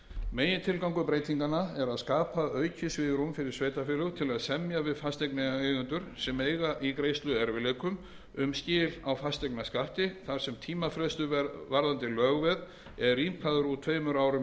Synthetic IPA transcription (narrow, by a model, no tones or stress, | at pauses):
meːjɪnt̪ʰɪlkawŋkʏpɾeːjt̪iŋkanaɛɾaðskaːpaœːɥcʰʏsvɪːðɾumfɪɾɪɾ̥sveːjt̪afɪːlʏt̪ʰɪlaðsɛmjavɪðfast̪eknɪɣaejɣʏnt̪ʏɾ̥sɛmeːjɣaʔikɾeːjst̪lʏɛɾvɪleːkʏm | ʏmscɪːlawfast̪ɛknaskaht̪ɪθaɾ̥sɛmt̪ʰiːmafɾɛst̪ʏvaɾðant̪ɪlœːɣvɛð | ɛðriːmpʰaðʏɾut̪ʰveːjmʏɾaːwɾʏm